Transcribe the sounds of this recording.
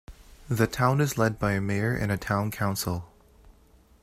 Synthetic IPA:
ðɨtʰãʊ̃nɨzlɛd̚baɪɨmeɪə˞ʔɨ̰̃nɨtʰãʊ̃nkʰãʊ̃nsl̩ˠ

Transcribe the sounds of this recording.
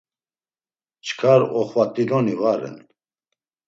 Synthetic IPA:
t͡ʃʰkʰaɾɔχvat̪ʼilɔnivaɾɛ̰n

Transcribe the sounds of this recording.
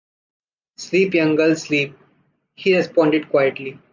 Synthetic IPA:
sliːpjʌ̃ŋɡəlsliːp̚ | hiːɾɛspɔ̃ːɳɖɪɖkwaɪəʈli

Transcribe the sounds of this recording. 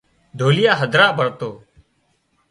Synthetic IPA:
d̪ʱoːlɪjaːɦəd̪ʱɾaːbʱəɽt̪oː

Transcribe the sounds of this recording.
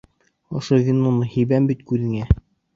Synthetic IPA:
ŏʃɤðinunɤhibæmbit̪kʉðɘ̆ŋæ

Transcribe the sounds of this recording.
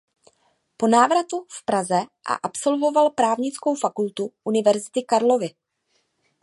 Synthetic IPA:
po̞naːvɾat̪ufpɾazɛʔa̰ʔapso̞lvo̞valpɾaːvɲɪt͡skowfakult̪uʔunɪvɛɾzɪt̪ɪkaɾlo̞vɪ

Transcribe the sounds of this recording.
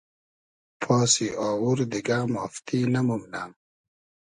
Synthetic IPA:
pʰɔːsiʔaːwuɾd̪iɡaːmɔːft̪ʰiːnɐmumnaːm

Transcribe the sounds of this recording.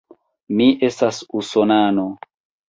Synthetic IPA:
miʔe̞stasusonano

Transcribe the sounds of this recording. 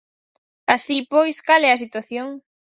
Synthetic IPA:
asipojskalɛas̬it̪waθjoŋ

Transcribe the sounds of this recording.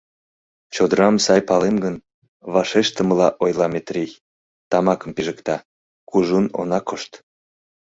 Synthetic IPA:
t͡ɕod̪əɾɑmsɑjpɑlemɡən | βɑʃeʃt̪ə̆məlɑʔojlɑmet̪rij | t̪ɑmɑkə̆mpiʒəkt̪ɑ | kuʒuno̰nɑkoʃt̪

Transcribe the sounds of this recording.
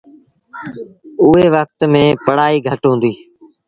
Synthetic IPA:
ʊɦeːʋək̚t̪mẽːpəɽaːiːɡʱəʈɦõũːnd̪iː

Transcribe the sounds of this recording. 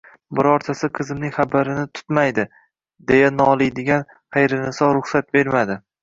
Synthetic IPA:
bɪɾɒɾt̪ʰasɪqʰɨzɪmnɪŋχabaɾɪnɪt̪ʰʊ̥t̪majd̪ɪ | d̪e̞janɒlˠɪjd̪ɪɡʲan | χejɾɪnɪsɒɾʊχsat̪̚be̞ɾmad̪ɪ

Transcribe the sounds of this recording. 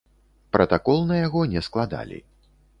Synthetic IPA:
pɾʔɐt̪akɔlˠnɐjaɣɔnʲɛsklˠad̪a̰lʲḭ

